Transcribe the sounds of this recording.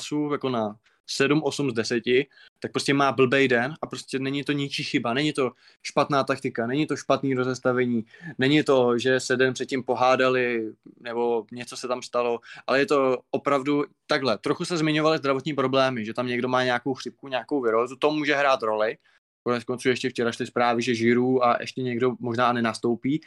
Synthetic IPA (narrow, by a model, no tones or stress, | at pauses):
sujako̞na | sɛdumʔo̞sumzdɛsɛcɪ | t̪ak̚pɾo̞scɛmaːbl̩bɛjdɛnapɾo̞scʲɛnɛɲɪt̪o̞ɲɪt͡ʃiːxɪbanɛɲɪt̪o̞ | ʃpat̪naːt̪ak̚t̪ɪkanɛɲɪt̪o̞ʃpat̪niːɾo̞zɛst̪avɛɲiːnɛɲɪt̪o̞ʒɛsɛdɛnpr̥ɛt̪̚cɪmpo̞ɦaːdalɪnɛbo̞ɲɛt͡sosɛt̪amst̪alo̞ʔalɛjɛt̪o̞ʔopɾavdu | t̪aɡɦlɛt̪ɾoxusɛzmɪɲo̞valɪzd̪ɾavo̞t̪ɲiːpɾo̞blɛːmɪʒɛt̪amɲɛɡdo̞maːɲeako̞wxr̥ɪp̚kuɲeako̞wvɪɾoːzut̪o̞muːʒɛɦɾaːt̪ɾo̞lɪ | konɛt͡sko̞nt͡suːjɛʃcɛft͡ʃɛɾaʃlɪspɾaːvɪʒɛʒɪɾuːaʔɛ̰ʃcɛɲɛɡdo̞mo̞ʒnaːnɛnast̪o̞wpiː